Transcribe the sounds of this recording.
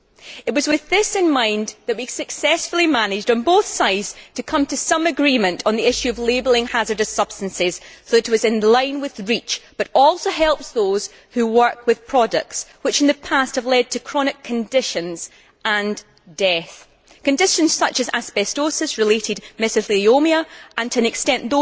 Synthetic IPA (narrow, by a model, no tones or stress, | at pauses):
ɪʔwɔzwɪðɪsɪ̃nmãɪ̃nðəʔwisɨksɛsfl̩ˠimanɪd͡ʒdn̩boθsaɪdz̥tʰɨkʰʌ̃mtʰəsʌ̃məɡɹimə̃nʔən̩ðiɪʃʉəvlˠebəl̩ˠɪ̃ŋhazə˞dəsʌb̥stə̃nsɪz̥soðəʔɪwʌzɪ̃nlˠãɪ̃nwɪð̥ɹit͡ʃb̥ʌɾɔlˠsoɦɛlˠpsðoz̥ | hʉwɜ˞k̚ʰwɨð̥pʰɹ̥ɔdə̰k̚tswɪt͡ʃnðəpʰast̚həvlˠɛd̚tʰəkʰɹ̥ɔñɪkʰːɨ̃ndɪʃə̃nz̥ | ə̃n | dɛθ | kɨ̃ndɪʃə̃nz̥sʌt͡ʃəza̰spɛstosɪsɹɪlˠeʔɪdmɛsɨθiomiəʔə̃ntʰəɨ̃nɪkstɛ̃nðo